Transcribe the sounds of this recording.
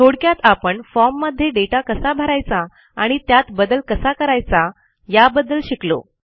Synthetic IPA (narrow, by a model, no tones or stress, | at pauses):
t̪ʰoɽkjat̪apəɳfɔmːəd̪ʱːjeɖeʈakəsabʱəɾajt͡sa | aɽ̃it̪jat̪bəd̪əlkəsakəɾajt͡sa | jabəd̪ːəlɕiklo̰